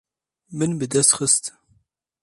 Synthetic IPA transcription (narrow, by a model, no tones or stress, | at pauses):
mɨnbɨd̪ɛst̪xəst̪